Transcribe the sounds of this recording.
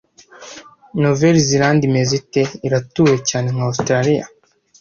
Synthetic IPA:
noveɾiziɾaːndimeziteiɾatuːwe̞caːne̞ŋhaustɾaɾija̰

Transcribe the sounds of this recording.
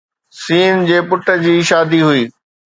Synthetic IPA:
siːnd͡ʑeːpʊʈə̆d͡ʑiːʃaːd̪iɦʊiː

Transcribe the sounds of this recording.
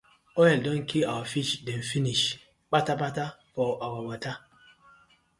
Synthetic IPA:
ɔɛldɔ̃nkʰiawafit͡ʃdɛ̃nfiniʃ | k͡pataɓatafɔʔawawata

